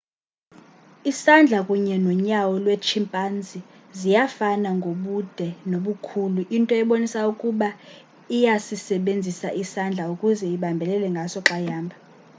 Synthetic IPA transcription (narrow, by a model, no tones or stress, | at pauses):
isand͡ɮʱakʼuɲɛnɔɲawɔlwet͡ʃʰimpʼand͡zʱi | zijafanaŋɡʱoɓud̥ʱɛnoɓukʰuluʔintʼɔɛɓonisaukʼuɓa | ijasisɛɓend͡zʱisaʔisand͡ɮʱaukʼuzɛiɓambʱɛlɛlɛŋɡʱasɔǁajaːmbʱa